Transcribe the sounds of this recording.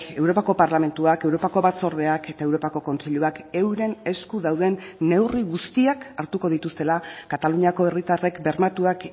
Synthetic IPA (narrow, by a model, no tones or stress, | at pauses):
e̞wɾo̞pako̞paɾlame̞nt̪uakewɾo̞pako̞βat͡so̞ɾðe̞ake̞t̪ae̞wɾo̞pako̞ko̞nsiʎuake̞wɾe̞ne̞skuðawðe̞nːe̞wriɣust̪iakaɾt̪uko̞ð̞it̪ust̪e̞lakat̪aluɲako̞e̞rit̪are̞kbe̞ɾmat̪uak